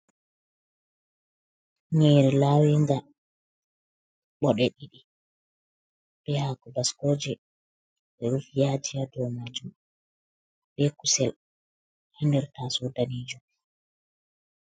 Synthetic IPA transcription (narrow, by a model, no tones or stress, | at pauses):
ɲɛːɾɛlaːwiŋɡa | ɓɔɗɛɗiɗi | b̥ɛhakɔbaskoːd͡ʒɛ | ɓɛɾufijaːd͡ʒijadɔmad͡ʒum | bɛkusɛl | handɛɾtasudaniːd͡ʒum